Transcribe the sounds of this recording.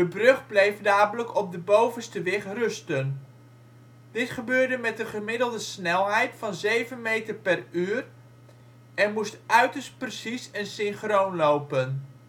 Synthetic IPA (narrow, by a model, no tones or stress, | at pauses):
dəbrɵχblejfdaːbələkɔb̚dəbowvənstəʋɪχrɵstən | d̥ɪtχəbøːrdəmɛtəχəmɪdəlˠdəsnɛlˠɦɛjtfɑnzejvənmejtərpɛryːr | ɛnmustʔœɥtəɹst̚prəsisənsɪnχrownlowpən